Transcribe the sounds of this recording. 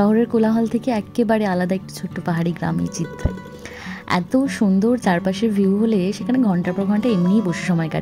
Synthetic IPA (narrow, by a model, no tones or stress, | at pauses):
ʃɔɦoɾeɾkolaɦɔlt̪ʰekeɛkːebaɾealad̪aek̚ʈi̥t͡ɕʰoʈːopaɦaɾiɡɾa̰mḭt͡ɕit̪ʰːɾḛ | ɛ̰t̪oʃund̪oɾt͡ɕaɾpaʃeɾbʱiuɦoleʃekʰaneɡʱɔɳʈapɾoɾɡʱɔɳʈaemnijboʃe̥ʃɔmɔeka̰